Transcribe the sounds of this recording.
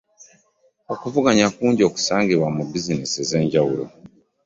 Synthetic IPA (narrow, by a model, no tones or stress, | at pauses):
okuvuɡaɲakuːɲɟo̞ku̥saːŋɡiβwamubizinisize̞ːɲɟawulo̰